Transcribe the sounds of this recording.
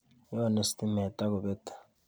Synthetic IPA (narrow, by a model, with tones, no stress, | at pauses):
jɔne˨si̥tʰʼimɛ˨tʼa˦k̬u˨ɓɛtʰḁ˨